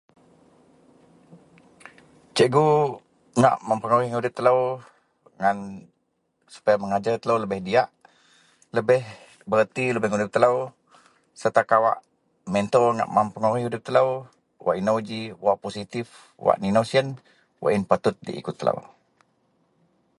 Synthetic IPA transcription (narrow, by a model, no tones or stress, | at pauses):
t͡ʃəʔɡu | ŋa̰ʔməmpəŋoɾiudɪp̚t̪ːələw | ŋan | su̥pajaməŋad͡ʒart̪ələwləbɪhdiaʔ | ləbɪh | bəɾət̪iləbɛhŋudɪp̚t̪ələw | sərt̪akawa̰ʔ | mɛnt̪ɔŋa̰ʔmampəŋoɾihudɪp̚t̪ələw | wa̰ʔinad͡ʒiwaʔposit̪if | wa̰ʔninosiən | wa̰ʔinpat̪ʊt̪̚dḭʔḭkʊt̪ːəla̰w